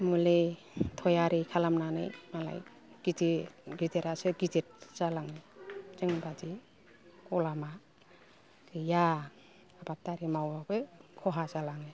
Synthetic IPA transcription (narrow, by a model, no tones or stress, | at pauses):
mule | tʰɔjaɾikʰalamnana̰jmala̰j | ɡ̥idiɡideɾasɯɡidet̚z̥alaŋezeŋbadi | kɔlama | kija | abat̚taɾimawbabɯkʰɔɦazalaŋe